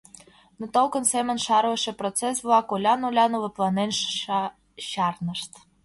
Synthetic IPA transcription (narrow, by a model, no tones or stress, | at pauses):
not̪olˠkə̆nsemə̆nʲʃɑɾəʃĕprot͡ses̬βlˠɑkolʲɑnolʲɑnovɤ̆plˠɑnenʃ | ɕɑrnəʃt̪